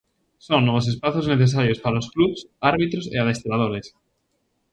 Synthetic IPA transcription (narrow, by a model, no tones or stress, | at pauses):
soŋnɔβ̞os̬espaθozneθes̬aɾjospaɾaoskluβsaɾβit̪ɾosḛað̞est̪ɾaðoɾes